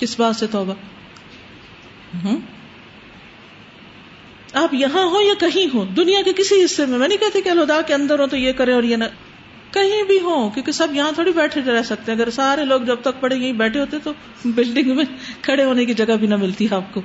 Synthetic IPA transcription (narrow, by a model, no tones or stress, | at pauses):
kɪsbaːd̪set̪ɔːba | ɦ | aːpjɐɦãɦojakɐɦĩɦoːd̪ʊnijakekɪsiɦɪsːemẽmɛ̃ːnĩkɛɦt̪iekiɐlɦʊd̪aːkeɐ̃nd̪əɾɦõt̪ojekɐɾẽɔːɾjena | kɐɦĩbʱiɦoːkjõːkesɐbjɐɦãt̪ʰoːɽibɛːʈʰẽd͡ʒɾɛːsɐk̚t̪eɛ̃ːɐɡəɾsaːɾeloːɡd͡ʒɐb̚t̪ɐk̚pɐɽẽjɐɦĩbɛːʈʰeɦoːt̪ẽt̪o | bɪlɖɪ̃ŋɡmẽkʰɐɽeɦoːnekid͡ʒɐɡabʱinɐmɪlt̪iɦɛaːp̚koː